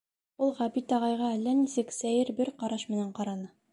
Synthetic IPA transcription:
ulˠʁæbit̪ɑʁɑjʁɑælːænisɘksæjɘɾbɘɾqɑɾɑʃmɘ̆næɴqɑɾɑnɤ

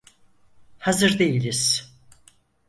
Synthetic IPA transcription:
hazɯɾd̪e̞jilʲiz̥

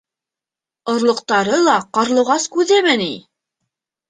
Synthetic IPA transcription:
ŏɾlˠɤ̆q̚t̪ɑɾɤlˠɑqɑɾlˠɤ̆ʁɑskʉðɘmɘni

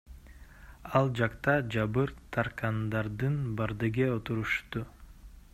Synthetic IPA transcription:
ɑlˠd͡ʒɑqt̪ɑd͡ʒɑbɯɾt̪ʰɑɾqɑnd̪ɑɾd̪ɯnbɑɾd̪ɯɡeot̪uɾuʃt̪u

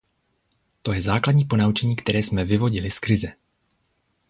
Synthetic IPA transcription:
t̪o̞jɛzaːkladɲiːpo̞naut͡ʃɛɲiːkt̪ɛɾɛːsmɛvɪvo̞ɟɪlɪskɾɪzɛ

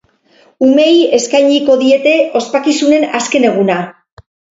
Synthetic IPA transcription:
ume̞je̞skajɲiko̞ðie̞t̪e̞o̞spakisune̞naske̞ne̞ɣ̞una

